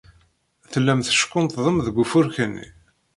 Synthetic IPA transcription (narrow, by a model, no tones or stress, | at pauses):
θəlːæmθə̥ʃkːʊnt̪ðˤəmðəɡʷːufʊɾçənːḭ